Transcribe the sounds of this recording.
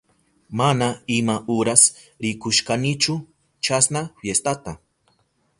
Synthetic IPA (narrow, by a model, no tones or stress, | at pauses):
manaɪmaʔʊɾas | ɾɪkʊʃkanɪt͡ʃʊ | t͡ʃasnaɸjest̪at̪a